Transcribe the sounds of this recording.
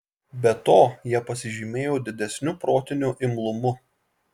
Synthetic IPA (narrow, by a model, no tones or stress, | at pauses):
bʲɛt̪oːjiɛpɐsʲɪʒʲɪmʲeːjoːd̪ʲɪd̪ʲɛsʲnʲʊpɾoːt̪ʲɪnʲuːʔɪmlˠʊmʊ